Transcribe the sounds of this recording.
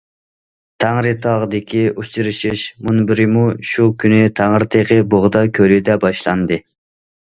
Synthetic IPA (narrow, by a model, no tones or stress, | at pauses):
t̪ʰæŋɾɨt̪ʰɑʁəd̪ɪkʲʰiʔut͡ʃʰiɾɪʃiʃmunbɪɾɪmuʃukʲʰynɪt̪ʰæŋɾɪt̪ʰeqəboʁd̪ɑkʲʰølyd̪ɛbɑʃlˠɑ̰nd̪ɨ